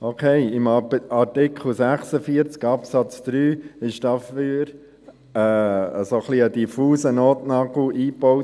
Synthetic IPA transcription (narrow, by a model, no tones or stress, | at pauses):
okʰeɪɪmɑɾtɪkχl̩sæχsəfiəɾt͡skɑpsɑt͡sd̪̥ɾyːɪʃd̥ɑfyːɾ | ɛːə̰soχliəd̥ifuːsənoːtnɑɡl̩iːpoʊ